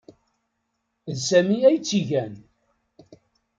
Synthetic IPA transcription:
ðsæmiæjt͡sːiʝæn

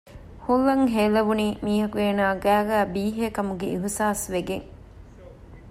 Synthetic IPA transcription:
hulːɐŋɦeːlɐʋuniːmiːɦɐkueːnaːɡæːɡæːbiːɦekɐmuɡeʔiɦsaːsʋeɡeŋ

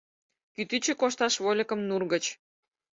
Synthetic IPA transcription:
kyt̪yt͡ɕĕkoʃt̪ɑʃβolʲəkə̆mnurɣə̆t͡ɕ

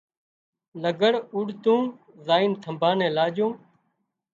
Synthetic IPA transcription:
ləɡəɽʊɽt̪ũː | zaːint̪ʰəmbʱãːnɛ̃ːlaːʄõː

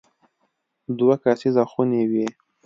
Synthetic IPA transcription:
d̪wakɑsizaxunewi

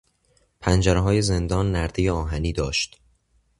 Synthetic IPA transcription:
pʰænd͡ʒæɾeɦɒːje̞ze̞nd̪ɒːnːæɾd̪ejeɒːɦæniːd̪ɒːʃt̪

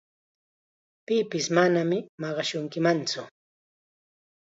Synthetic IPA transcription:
pɪpɪsmanamɪmɑɢɑʃʊŋkɪmant͡sʊ

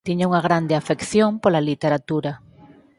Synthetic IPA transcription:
t̪iɲauŋaɣ̞ɾand̪eafekθjompolalit̪eɾat̪uɾa

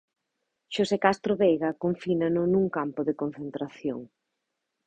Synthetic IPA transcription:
ʃosekast̪ɾoβejɣɐkoɱfinanʊnuŋkampʊðɪkon̟θent̪ɾaθjo̰ŋ

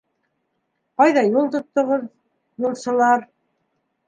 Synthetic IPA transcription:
qɑjðɑjulˠt̪ŏt̪ːŏʁɤð | julˠʃɤ̆lˠɑɾ

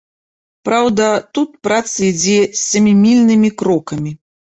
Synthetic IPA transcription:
pɾawd̪ɐt̪ut̪̚pɾat̪sɐid͡zʲɛsʲːɐmʲimʲilʲnɨmʲikɾɔkɐmʲi

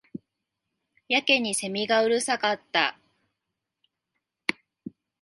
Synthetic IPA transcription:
jake̞ɲ̟ise̞mʲiɡaɯ̟ɾɯ̟sakat̪ːa

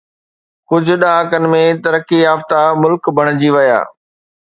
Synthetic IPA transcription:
kʊd͡ʑʱʊ̆ɗɐɦaːkənɪ̆mẽt̪ɐɾəkijaːft̪amʊlkbʱɐɽ̃d͡ʑiʋɐja̰ː

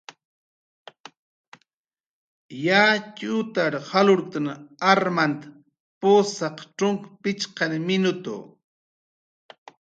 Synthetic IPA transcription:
jat͡ʃʊt̪aɾhalʊɾk̚t̪anaɾmant̪ḁ | pʊsɑqʈ͡ʂʊŋkpɪt͡ʃqɑnmɪnʊt̪ʊ̰

